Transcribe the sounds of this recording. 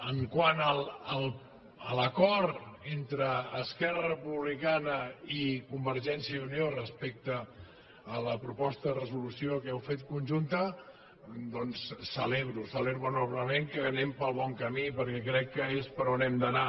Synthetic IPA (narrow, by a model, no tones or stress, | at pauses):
əŋkwanələlˠ | ələkɔɾt̪ent̪ɾəːskɛrəərəpuβlikanəikumbəɾʒɛnsjəuniorəspek̚t̪əː | ləpɾupɔst̪əðərəzulusjokɛwfet̪kunʲʒunt̪ə | d̪ɔnsːəleβɾusəleβunɔβləmeŋkəβənɛmpəlˠβɔŋkəmipəɾkɛkɾɛkːəespəɾonɛmd̪əna